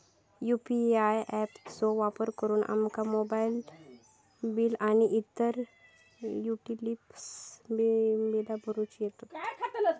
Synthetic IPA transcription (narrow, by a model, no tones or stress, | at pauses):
juːpiaːjʔɛːpsoːʋaːpəɾkəɾunʔa̰mkamoːbaːjl | bilaniʔit̪ːəɾ | juːʈilips | bedabəɾut͡ʃeʈːkʰat̪